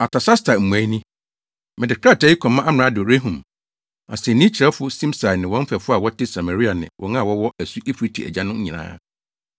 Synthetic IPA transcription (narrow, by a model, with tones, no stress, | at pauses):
a˨tʰa˨sa˦stʰa˨m̩˨mũ˨ã˨˦nĩ˦ | mɪ̃˨dɪ˨kʰa˦˨tʰa˨˦ji˦kʰɔ̃˨mːã˦ʔa˦mɪ˨ɾã˦dɾe˦ɦũ˨m | a˨sɛ˨nĩ˦t͡ɕʰɾɛ˦fʊ˦sĩ˦msa˨nɪ̃˨wɔ̃˦m̩˦fɛ˨fʊ˦a˨wɔ˦tɪ˦sa˨ma˨ɾi˦a˨nɪ̰̃˨wʔɔ̰̃˨˦nã˦˨wɔ˦wɔ˦æ˨su˦ʔe˦fu˨ɾi˦tʰi˨æ̰˨d͡ʑã˦nʊ̃˦ɲ̩˦ɲĩ˨nã̰ː˦